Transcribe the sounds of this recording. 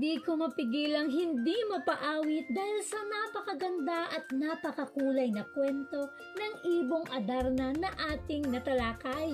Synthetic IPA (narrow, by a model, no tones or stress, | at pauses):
d̪iːkomɐpɪɡiːlɐŋɦɪnd̪imɐpɐʔaːwɪt̪̚d̪aːhɪlsɐnɐpɐkɐɡɐnd̪aʔɐt̪̚napɐkɐkuːlɐjnɐkwɛnt̪o̞ | nɐŋʔiːboŋʔɐd̪aɾnɐnɐʔaːt̪ɪŋnɐt̪ɐlaːkaj